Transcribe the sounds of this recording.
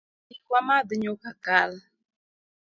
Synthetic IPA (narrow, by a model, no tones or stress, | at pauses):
ikwamadɨɲokakal